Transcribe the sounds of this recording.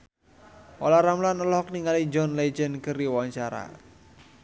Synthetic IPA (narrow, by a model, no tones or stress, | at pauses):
ʔɔ̰laɾamlanəlɔhɔk̚niŋalid͡ʒɔnled͡ʒənkəɾiwaɲt͡ʃaɾa̰